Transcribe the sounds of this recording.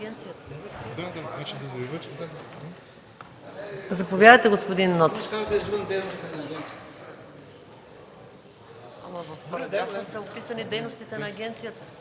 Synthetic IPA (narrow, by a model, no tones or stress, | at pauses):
ɛnt̪sijɐt̪ə̥d̪ad̪at̪vat͡ʃɛd̪ɐzɐbivəʃt̪ak̪ | zɐpovjadəjt̪ɛɡospod̪inːɔt̪kaʒd̪ɐɛzvənd̪ɛjnost̪ənɐɡʲɛnt̪si | amɐvɐfpɐɾɐɡɾɾafnəsɐopisɐnid̪ɛjnost̪it̪ɛnɐːɡʲɛnt̪sijət̪ə